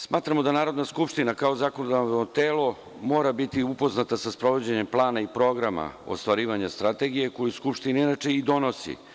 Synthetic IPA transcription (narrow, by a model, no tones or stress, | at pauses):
smaːt̪ɾamo̞d̪anaːɾo̞d̪naskupʂt̪inakao̞zako̞nod̪anvnot̪eːlo̞ | mo̞ːɾabit̪iupo̞znat̪asaspɾo̞ʋo̞d͡ʑeɲemplˠaːnaipɾo̞ɡɾama̰o̰st̪ʋaɾiːʋaɲast̪ɾat̪e̞ɡije̞ko̞juskupʃt̪inainat͡ʃe̞id̪o̞no̞sḭ